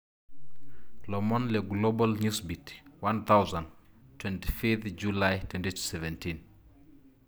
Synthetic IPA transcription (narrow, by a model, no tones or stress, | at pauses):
lɔmɔnlɛɡlobalɲusbitwant̪awzantwɛnti̥fit̪d͡ʒulajtwɛntiu̥sɛvɛntʰin